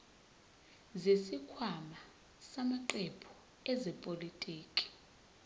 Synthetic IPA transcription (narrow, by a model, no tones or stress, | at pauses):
zesikʰwama | samaǃɛpʰɔ̥ | ɛzɛpʼolitʼiːkʼi̥